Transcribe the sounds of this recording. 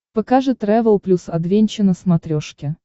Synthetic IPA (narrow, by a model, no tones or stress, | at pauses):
pɐkaʐɨt̪rɛvəlˠplʲusɐd̪vʲenʲt͡ɕɪnəsmɐt̪ɾʲoʂkʲɪ